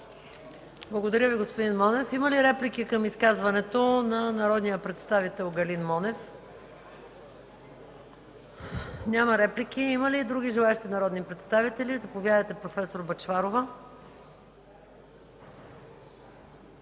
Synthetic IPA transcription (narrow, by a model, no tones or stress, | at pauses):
blˠɐɡod̪ɐɾʲjəviɡospod̪inmɔnɛfiməliɾɛplikikəmiskazvɐnɛt̪onɐnɐɾɔd̪nijəpɾɛt̪st̪avit̪ɛlˠɡɐlinmɔnɛf | nʲamɐɾɛplikiiməliːd̪ɾuɡʲiʒɛlˠaɛʃt̪inɐɾɔd̪nipɾɛt̪st̪avit̪ɛlizɐpovʲjad̪əjt̪ɛpɾofɛsoɾbɐt͡ʃvaɾovə